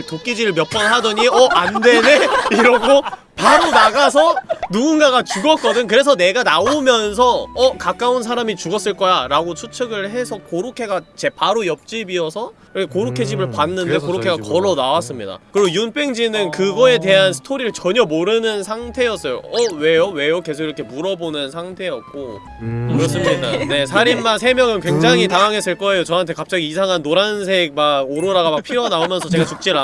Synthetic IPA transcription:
tok͈id͡ʑiɾɯɭmjʌp͈ʌnɦadʌɲiʌʔande̞neiɾʌɡo | paɾonaɡasʰʌnuɡunɡaɡat͡ɕuɡʌt̚k͈ʌdɯɲkɯɾe̞s̬ʰʌne̞ɡanaomjʌnsʰʌʌkak͈auns̬ʰaɾamit͡ɕuɡʌs͈ɯɭk͈ʌjaɾaɡot͡ɕʰut͡ɕʰeɡɯɭɦe̞sʰʌkoɾokʰe̞ɡat͡ɕe̞paɾojʌp̚t͡ɕ͈ibiʌsʰʌkɾkʰekoɾukʰe̞d͡ʑibɯɭpanːɯnde̞koɾokʰe̞ɡakʌɾonawas͈ɯmɲida̰kɯɾiɡojunp͈e̞ŋd͡ʑinɯnkɯɡʌe̞te̞ɦansʰɯ̥tʰoɾiɾɯɭt͡ɕʌɲʌmoɾɯnɯnsʰaŋtʰe̞jʌs͈ʌjo̰ʌwe̞jowe̞joke̞s̬ʰoɡiɾʌkʰe̞muɾʌbonɯnsʰaŋtʰe̞jʌk̚k͈o | kɯɾʌs͈ɯmɲidane̞sʰaɾimːansʰe̞mjʌŋɯnkwe̞ŋd͡ʑaŋɦitaŋaŋɦe̞s͈ɯɭk͈ʌe̞jot͡ɕʌɦantʰe̞kap̚t͡ɕ͈aɡiːsʰaŋɦanːoɾansʰe̞ɡ̚maɡoɾoɾaɡamak̚pʰiɾjʌnaomjʌnsʰʌt͡ɕeɡat͡ɕuk̚t͡ɕ͈iɾa

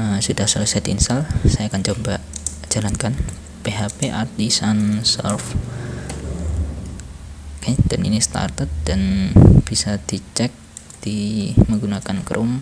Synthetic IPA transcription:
əmsudahsolusajd̪insalsajaːkant͡ʃomba | d͡ʒ̥alankan | peɦapeʔart̪isansɛ̰lf | kaɲad̥anḭnist̪a̰rt̪ət̪̚d̥anb̥isad̥it͡ʃɛk̚ | d̥iməŋɡunakankɾʔom

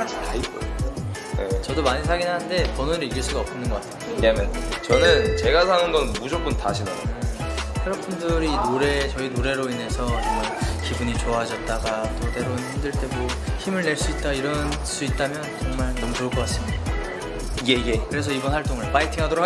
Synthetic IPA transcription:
ad͡ʑʰitaik͈ʌo | jḛt͡ɕʌdomaɲisʰaɡinɦaɯnde̞pʌnonɾɯɭiɡiɭs͈uɡaʌp̚t͈inɯnɡʌk͈atʰeokdamjʌnt͡ɕʌnɯnt͡ɕe̞ɡasʰanɯnɡʌnnmud͡ʑʌk͈ɯnta̰ɕʰinano̰eseɾʌpundɯɾiːnoɾe̞t͡ɕʌinoɾe̞ɾoine̞sʰʌʌbʌnkibuɲit͡ɕoaɦad͡ʑʌt̚t͈aɡat͈ode̞ɾonhimdɯɭt͈e̞moçimɯɭne̞ɭs͈uit̚t͈aiɾʌn | s͈uit̚t͈amjʌnt͡ɕʌŋmaɭnʌmutɯʌkʰʌk͈as͈ɯmɲida | je̞iɡe̞kɯɾe̞sʰʌibʌnwaɭt͈oŋɯɭpaitʰiŋɦadoɾokʰ

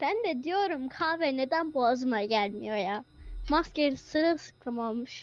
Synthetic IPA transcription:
b̥ænd̪ɛd̪ijo̞ɾumkʰaːvɛned̪ænbuazɯmaɟælʲmḭjojamasceɾsɯɾɯsɯ̥k̚t̪ʰamamːɯʃ

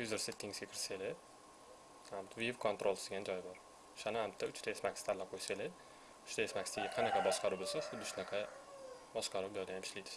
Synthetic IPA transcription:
juzɪɾset̪ːɪŋzɡʲakʰʲɪɾselɪ | hamt̪ʰvivkʰont̪ɾolˠsd̪eɡʲand͡ʒɒjbɒɾ | ʊ̥ʃanɪhamt̪ʰːaʊt͡ʃt̪ʰaesmakʲst̪ʰalːaqʰojselɪ | ʊ̥ʃt̪aesmakʲst̪eɡʲaqʰɑnaqʰɑbɒʃqɑɾubolˠsasd̪ad̪ʊʃnaqʰɑbɒʃqɑɾuwblɒd̪ajamɪʃlijd̪ɪ

